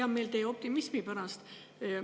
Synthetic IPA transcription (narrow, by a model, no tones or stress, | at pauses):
ɑmme̞lt̪e̞ːo̞p̚t̪imismipæɾɑst̪